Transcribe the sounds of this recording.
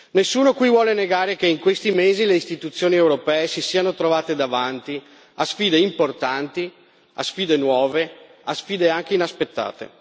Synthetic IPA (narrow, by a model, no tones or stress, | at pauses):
nesːuːnokwivwɔːleneɡaːɾekeiŋkwest̪imeːzileist̪it̪ut̪sːjoːniewɾopɛːesisiːanot̪ɾovaːt̪ed̪avant̪i | asfiːd̪eimport̪ant̪i | a̰sfiːd̪enwɔːve | asfiːd̪eaŋk̟einaspet̪ːa̰ːt̪ḛ